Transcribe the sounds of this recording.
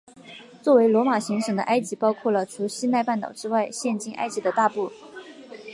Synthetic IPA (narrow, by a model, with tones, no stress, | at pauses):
t͡swɔ˥˩we˧˥ɪlwɔ˧˥ma˨˩ɕi˧˥ŋʂɤ˨˩ŋd̪ə̰˦ʔa˥ɪt͡ɕi˧˥pɑ˥ʊkʰwɔ˥˩lə˩ʈ͡ʂʰu˧˥ɕi˥nt̪a˥˧ɪpa˥˩nt̪ɑ˨˩ʊʈ͡ʂɻ̩˥wa˥˧ɪɕjɛ˥˧nt͡ɕi˥˩ŋʔa̰˥ɪt͡ɕi˧˥d̪ə˧t̪a˥˧pu˥˩